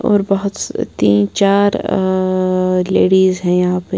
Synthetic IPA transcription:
ɔ̰ːɾbɐɦʊt̪t̪iːnt͡ʃaːɾ | leːɽiːzɦɛ̃jɐɦãːpe

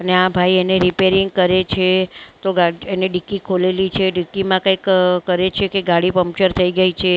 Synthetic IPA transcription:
əneãbʱaieneɾipeɾɪŋɡ̚kəɾet͡ʃʰet̪oɡaieneɖikːikʰolelit͡ʃʰeɖikːimãkãikkəɾet͡ʃʰekeɡaɽipəmp̚t͡ʃəɾt̪ʰəiɡəit͡ʃʰe

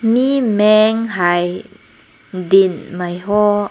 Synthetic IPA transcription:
mimɛŋɦaj | dinmajɦɔ

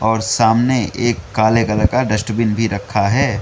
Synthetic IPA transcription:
ɔːɾsaːmneeːkːaːlekələkaɖəsʈəbɪnbʱiɾɐkʰːaɦɛː

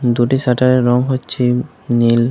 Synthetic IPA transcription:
d̪uʈisaʈaɾeɾɔŋɦotːʃʰi | nil

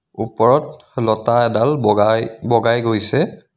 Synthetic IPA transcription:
upɔɹɔt | lɔtaɛdalajbɔɡajɡojsɛ

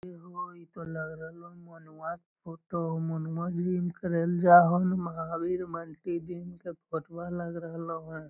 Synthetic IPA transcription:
eɦoit̪oləɡɾəɦlomonʋat̪fʰoːʈomonwãd͡ʒimkəɾeld͡ʒaɦonməɦabiɾməɳʈid̪imkepʰoʈbaləɡɾəɦloɦən

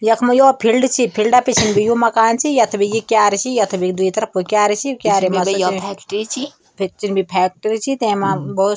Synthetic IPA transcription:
jɐkʰmɐjoːpʰilɖt͡ʃʰipʰilɖapit͡ʃʰinbʱijumɐkaːnt͡ʃʰijɐt̪ʰɐbijikjaːɾit͡ʃʰijɐt̪ʰɐbikd̪uit̪ɐɾɐpʰukʲjaːɾit͡ʃʰikjaːɾemɐsjʰɛkʈɾɾt͡ʃʰi | pʰit͡ʃinbipʰɛːk̚ʈɐɾit͡ʃʰit̪emabɐu

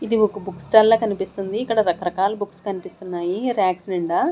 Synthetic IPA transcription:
id̪iokɐbuksʈɐlːɐːkɐnipist̪und̪iːkːɐɽɐd̪ɐkːɐɾɐkaːlɐbukskɐnipist̪unːaːjiɾaːksniɳɖa

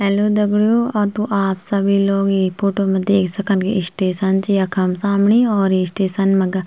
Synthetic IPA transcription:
ɛːloːd̪əɡɽjoːɔːɾt̪uʔaːpsəbiːloːɡipʰoːʈoːmẽd̪eːkʰsəkənkeɪsʈeːsənt͡ʃijakʰɐmsaːmɳiːɔːɾesʈeːsənmɐɡa

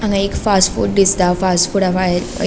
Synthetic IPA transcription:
ãŋɡãekfasʈfṵːʈ̚d̪ist̪afasʈfuɽafajəɾə̰

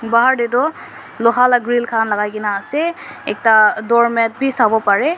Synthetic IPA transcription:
baɦaɹdet̬ɔ | lɔɦalaɡɹilkʰanlaɡajkinaːsɛɛk̚tadɔɹmɛt̚bʱisabɔpaɹɛ

